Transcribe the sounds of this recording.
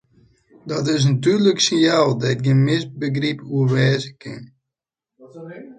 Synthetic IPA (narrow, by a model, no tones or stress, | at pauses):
dɔtɪs̬natyːrləksɪjalˠdɛɪt̚ɡənmɪsbəɡripuərʋɛːzəkɪ̰n